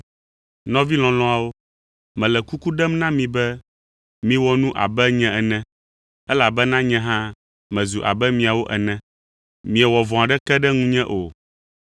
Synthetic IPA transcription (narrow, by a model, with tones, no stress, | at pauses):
nɔ̃˦vi˦l̃ɔ̃˨lɔ̃˦a˨wo˦ | mɛ̃˨lɛ˨ku˦ku˦ɖɛ˦mnã˦mĩ˨bɛ˦ | mĩ˨wɔ˦nũ˦ʔa̰˨bɛ˦ɲɛ̃˦ɛ˨nɛ̃˦ | ɛ˦la˨bɛ˦nã˦ɲɛ̃˦ɦã˦ | mɛ̃˨zu˨ʔa̰˨bɛ˦mĩ˨a˨wo˦ʔɛ˨nɛ̃˨ | mĩ˨ɛ˨wɔ˨vɔ̃˨a˨ɖɛ˦kɛ˦ɖɛ˦ŋũ˦ɲɛ̃˦ʔo˨